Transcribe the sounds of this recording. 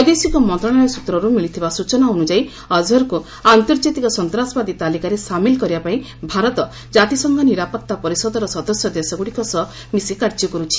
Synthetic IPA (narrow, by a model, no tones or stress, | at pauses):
ɔjd̪esikɔmɔnt̪ɾɔɽ̃aɾɔsut̪ɾɔɾumilit̪ʰibasut͡ʃɔnaonud͡ʒai | ɔd͡ʒɔɾku | ant̪ɔɾd͡ʒat̪ikɔsɔnt̪ɾasɔbad̪it̪alikaɾesamilkɔɾibapaĩ | bʱaɾɔt̪ɔ | d͡ʒat̪isɔŋɡʱɔniɾapɔk̚t̪apɔɾisɔd̪ɔɾɔsɔd̪ɔsjɔd̪esɔɡuɽikɔsɔ | misekaɾd͡ʒɔkɔɾut͡ʃʰi̥